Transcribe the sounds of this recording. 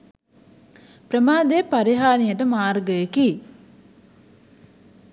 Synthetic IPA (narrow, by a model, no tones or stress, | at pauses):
pɾəmaːd̪epaɾiɦaːnijəʈəmaːɾɡəjeki